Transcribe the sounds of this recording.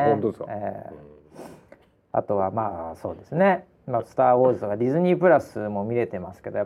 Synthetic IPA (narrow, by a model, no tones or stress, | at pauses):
õt̪oeskḛː | a̰t̪o̞βamaːso̞ːd̪e̞sɨne̞ | masɨ̥t̪aːo̞ːzɨt̪o̞kad̪ʲizɨɲ̟ipɯ̟ɾasɨmo̞mʲiɾe̞t̪e̞masɨ̥ke̞d̪o̞ja